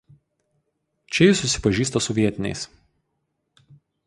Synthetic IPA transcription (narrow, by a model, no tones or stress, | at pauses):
t͡ʃʲɛjɪsːʊsʲɪ̥pɐʒʲiːst̪ɐsʊʋʲiɛt̪ʲɪnʲɛ̰ɪs